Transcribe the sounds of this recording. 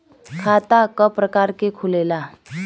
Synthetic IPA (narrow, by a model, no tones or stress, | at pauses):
kʰat̪akəpɾəkaɾkekʰulela